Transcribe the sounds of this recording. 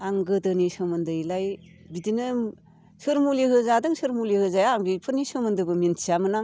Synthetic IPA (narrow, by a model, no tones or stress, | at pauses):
aŋɡɯdɯnisɯmɯndɯlaj | bidinɯ | sɯɾmulihɯzadɯŋsɯɾmulihɯzajaŋɡipʰɯnisɯmɯndɯbɯminʰiamɯna